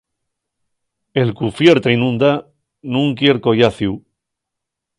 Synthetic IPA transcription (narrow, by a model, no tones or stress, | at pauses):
e̞lkufjeɾt̪einũnd̪a | nũŋkje̞ɾko̞jaθju